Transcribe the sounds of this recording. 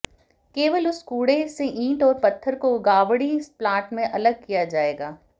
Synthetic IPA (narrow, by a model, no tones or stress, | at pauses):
keːʋəlʊskuːɽeseʔĩːʈɔːɾpɐt̪ʰːəɾkoɡaːʋɽisplaːʈmẽʔɐləɡ̚kijad͡ʒaːeːɡaː